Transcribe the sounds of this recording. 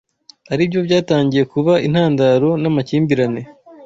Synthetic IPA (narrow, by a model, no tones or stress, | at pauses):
aɾiːbjo̞bjaːtaːɲɟije̞kuβain̥haːndaɾo̞namaciːmbiɾane̞